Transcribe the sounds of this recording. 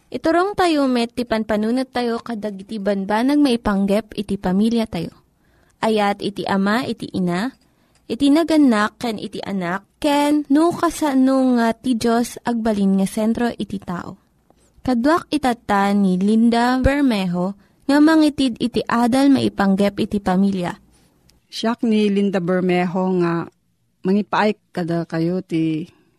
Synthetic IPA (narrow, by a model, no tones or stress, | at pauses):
ʔɪt̪ʊɾoŋt̪ɐjomɛt̪ipɐnpɐnuːnot̪ːɐjo̞kɐd̪aɡɪt̪ibɐnbanɐɡ̚mɐʔɪpɐŋɡɛpɪt̪ipɐmiljɐt̪ɐjo̰ | ʔɐjat̪ɪt̪iʔɐmaʔɪt̪ḭʔɪna | ʔɪt̪inɐɡɐnakːɛnʔɪ̰t̪ḭʔɐ̰nak̚ːɛnːukɐsɐnoŋat̪id͡ʒosʔɐɡ̚bɐlinŋɐsɛnt̪ɾo̞ʔɪt̪it̪a̰ːʔo̰ | kɐd̪wak̚ɪt̪ɐt̪anilind̪abɛɹmɛɦo | ŋɐmɐŋit̪id̪ɪt̪iʔaːd̪ɐlmɐ̰ʔɪpɐŋɡɛp̚ʔɪt̪ipɐmiljɐ̰ | ʃak̚nilind̪abɛɹmɛɦoŋa | mɐŋipaʔajk̚kɐd̪alkɐjot̪i